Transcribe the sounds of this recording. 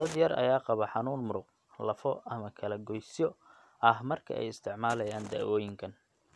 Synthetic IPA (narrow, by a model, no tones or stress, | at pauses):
d̪ɐd̪jɐrɐ̰jaːqɑβɐħɑnuːnmʊɾʊq | lɐfɔʔɐmɐkʰɐlɐɡɔjsjɔ | ʔɐɦmɐrkʰɐ̰ʔɛ̰jɪst̪ʰɪʕmaːlɐjaːnd̪a̰ːwɔːjɪŋkʰɐn